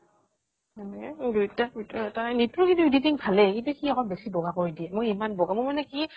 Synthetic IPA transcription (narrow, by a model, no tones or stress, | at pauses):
anɛɛdutautɔatanitɹokintuiditiŋpʰalɛkintukʰiakɔnbɛsibɔɡakɔɹidiɛmɔimanbɔɡamɔmanɛki